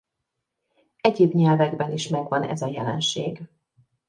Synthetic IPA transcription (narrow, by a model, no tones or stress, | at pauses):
ɛɟeːbɲɛlvɛɡbɛniʃmɛɡvɒnɛ̰zɒjɛlɛ̰nʃeːɡ